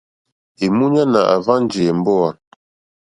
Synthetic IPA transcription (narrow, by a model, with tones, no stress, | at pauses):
e˨mu˦ɲa˦na̰˨ʔa̰˨va˦n˦d͡ʒe˨ɛ˨m̩˦bɔ˦a˨